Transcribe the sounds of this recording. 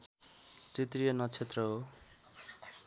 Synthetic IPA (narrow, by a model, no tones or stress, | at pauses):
tit̪rijʌnʌt͡sʰet̪rʌɦo